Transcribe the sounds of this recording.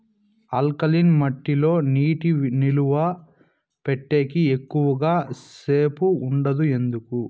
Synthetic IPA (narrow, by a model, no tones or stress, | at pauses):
ɐlkɐlinmɐʈːilo̞ːniːʈiniluʋɐ | peʈːe̞ːkiekːuʋɐɡaːse̞ːpuːɳɖɐd̪ue̞nd̪uku